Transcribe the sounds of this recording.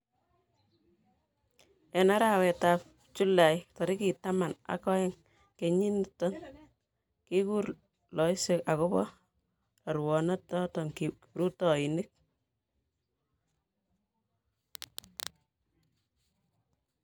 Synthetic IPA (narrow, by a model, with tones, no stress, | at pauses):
ɛ˨na˦ɾa˦wɛ˨ta˨p | t͡ʃu˦la˨jtɔ˨ɾi˦ki˨ta˦ma˨na̰˨kɔ˦ɪ˦ŋ | ke˨ɲi˦ntɔ˦n | ki˦ku˦ɾ | lɔ˨ɪ˦se˦ka˨kʊ˦bɔ̰˦ | tɔ˨ɾwɔ˨nɔ˦tɔ˦tɔ˨ŋki˨ | ɾu˦tɔ˨i˨nɪ˦k̚